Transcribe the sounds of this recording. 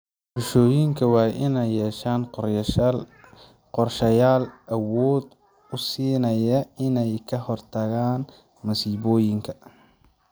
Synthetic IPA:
rʊʃɔːjɪŋkʰɐwɑːʔɪnɛjɛːʃaːn | qɔrʃɐjaːlʔɐwɔːd̪ | ʊsiːnɐjɐɪnɛjkʰɐɦɔrt̪ʰɐɣaːn | mɐsiːβɔːjɪŋkʰɐ

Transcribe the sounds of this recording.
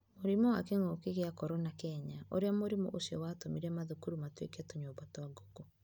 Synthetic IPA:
moɾimɔwakeŋokeɣeakɔɾɔnakɛɲaʔo̰ɾeamoɾimɔ̰ʔosiɔwaːtomiɾɛmaðokuɾumatwekɛtoɲoːbatwaɡoko

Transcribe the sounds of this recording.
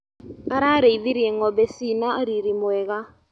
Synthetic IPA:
aɾaɾeiðiɾiɛŋɔbɛsinaoɾiɾimwɛɣa

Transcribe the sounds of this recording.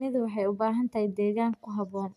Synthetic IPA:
ɪðwɑħɑjʊbaːɦɐnt̪ʰɐhɪjd̪ɛːɣaːŋkʰʊɦɐβɔːn

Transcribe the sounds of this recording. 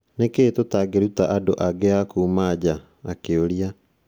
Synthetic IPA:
nekeːtotaɡeɾutaʔadoʔaɡeakuːmad͡ʑaː | keoɾia

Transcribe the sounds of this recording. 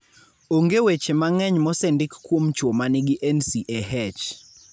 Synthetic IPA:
oŋɡewet͡ʃemaŋɛɲmɔsɛndɪkːwomt͡ʃwomanɪɡɪʔɛnsiʔɛɦɛt͡ʃ

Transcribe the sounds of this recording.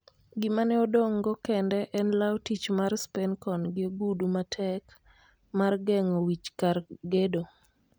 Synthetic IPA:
ɡɪmanɛɔdoŋɡɔkɛndɛʔɛnlawtit͡ʃmarspɛnkɔnɡɪoɡudumatʰɛk | marɡɛŋowit͡ʃkarɡedo

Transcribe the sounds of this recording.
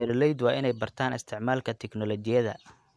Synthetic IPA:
ɛɾlɛjd̪wɑːɪnɛjbɐrt̪ʰaːnɪ̰st̪ʰɪʕmaːlkʰɐt̪ʰɛknɔlɔt͡ʃɪjɐðɐ̰

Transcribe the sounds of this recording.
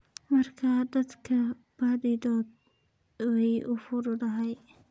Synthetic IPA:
mɐrkʰaːd̪ɐd̪kʰɐ | b̥aːd̪ɪd̪ɔːd̪̚ | wɛjʔʊfʊɾʊd̪ɐɦɛj

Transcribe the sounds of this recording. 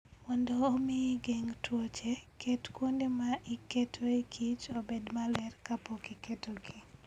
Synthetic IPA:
mɔndɔːmiɡeŋtwot͡ʃekʰetkwondemaʔiketʰoikʰit͡ʃobedmalɛrkapokiketoɡi

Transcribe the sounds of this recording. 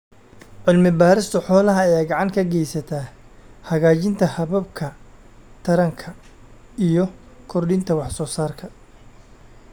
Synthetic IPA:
ʕʊlmɪbaːɾɪst̪ʰʊħɔːlɐɦɐɐjaːɡɑʕɑŋkʰɐɡɛjsɐt̪ʰaː | hɐɣaːt͡ʃɪnt̪ʰɐhɐβɐbkʰɐ | t̪ʰɐɾɐŋkʰɐ | ijɞ | kʰɔrɖɪnt̪ʰɐwɑħsɔːsaːrkʰɐ

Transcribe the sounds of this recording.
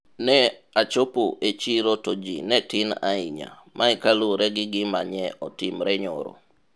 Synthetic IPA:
nɛat͡ʃopoʔet͡ʃiɾotod͡ʒḭnɛtɪna̰iɲa̰ | mʔaikaloɾɛɡɪɡɪmaɲɛɔtimɾɛɲɔ̰ɾo̰

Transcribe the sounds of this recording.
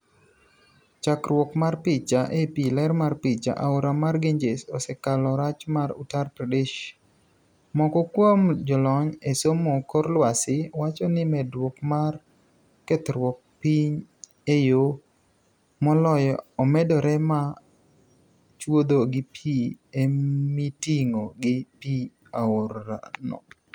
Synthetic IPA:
t͡ʃakɾwɔkmarpit͡ʃaʔepilɛɾmarpit͡ʃa̰ʔaoɾamarɡeɲd͡ʒesɔsɛkalɔɾat͡ʃmaɾṵtarpɾadeʃ | mɔkɔkwomd͡ʒɔlɔɲesomokoɾlwasɪwat͡ʃɔnɪmɛdwɔkmar | kɛt̪ɾwɔk̚piɲ | ejo | mɔlɔjɔɔmɛdɔɾɛma | t͡ʃwod̪oɡɪpʰiemitiŋoɡɪpi | aoɾa̰nɔ̰

